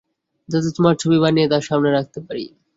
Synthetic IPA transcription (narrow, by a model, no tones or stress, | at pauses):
d̪at̪ot͡ɕmaʈ̚t͡ʃʰobibaniet̪aʃamneɾak̚ʰt̪epaɾḭ